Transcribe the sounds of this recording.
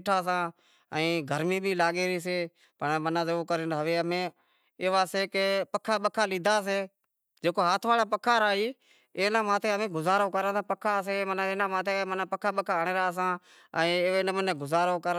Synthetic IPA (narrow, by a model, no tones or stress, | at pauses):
ʈʰaːs̬ãː | əĩːɡʱəɾmĩːɓʱiːlaːɠeːɾiːs̬eː | pəɳmənaːzoːkəɾɪnɦəʋeːəmẽː | eːʋaːseːkepəkʰːaːɓəkʰaːliːd̪ʱaːs̬eː | d͡ʒeːkoːɦaːt̪ʰʋaːlaːpəkʰːaːɾaːiː | eːnãːmaːt̪ʰeːəmẽːɡʊzaːɾõːkəɾəːsãːpəkʰːaːs̬eːmənaeːnãːmaːt̪ʰemənãːpəkʰːaːɓəkʰaːəɳeːɾaːs̬ãː | ə̃ːenəmneːɡʊzaːɾõːkə